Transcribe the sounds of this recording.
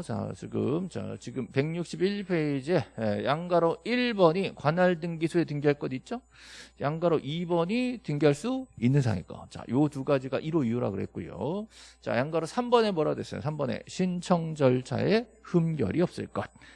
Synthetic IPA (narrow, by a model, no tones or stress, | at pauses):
t͡ɕa̰t͡ɕiɡɯ̰mt͡ɕa̰t͡ɕiɡɯmpe̞ŋɲuk̚ɕ͈ibiɭpʰeid͡ʑeejaŋɡaɾoiɭbʌɲikwanaɭdɯŋɡisʰue̞tɯŋɡiɦaɭk͈ʌdit̚t͡ɕ͈o | jaŋɡaɾoʔibʌɲitɯŋɡiɦaɭs͈uinːɯnsʰa̰ŋḛk͈ʌ̰t͡ɕa̰jotuɡad͡ʑiɡa̰ʔiɾoiuɾa̰ɡɯɾɦe̞̰t̚k͈ujo̰t͡ɕa̰jaŋɡaɾosʰambʌne̞mʌɾadwes͈ʌjo̰sʰambʌne̞̰ɕʰint͡ɕʰʌŋd͡ʑʌɭt͡ɕʰa̰e̞hɯmɡjʌ̰ɾiʌp̚s͈ɯ̰ɭk͈ʌt̚